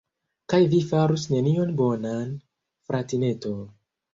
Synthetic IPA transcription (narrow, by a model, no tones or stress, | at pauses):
kajvifaɾusne̞nio̞nbo̞nan | fɾʔatine̞ton